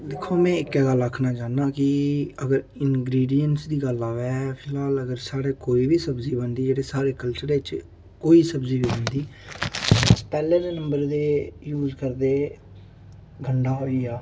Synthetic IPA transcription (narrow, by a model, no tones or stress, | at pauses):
d̪ɪkʰːoːmɛ̃ːɪkɛːɡələkʰːnaːt͡ʃaːnd̪aːkɪəɡəɾ | ɪnɡɾiːɖijənsd̪iːɡəlaːʋɛːpʰɪlaːləɡəɾsaːɽeːkoːiːbiːsəbziːbənd̪iːd͡ʒeːɽeːsaːɾeːkəlt͡ʃəɾet͡ʃ | koːiːsəbziːbiːbənd̪iː | t͡ʃpɛːlẽːd̪eːnə̃mbəɾd̪eːjuːzkəɾd̪eː | ɡʱəɳɖaːɦoːiːaː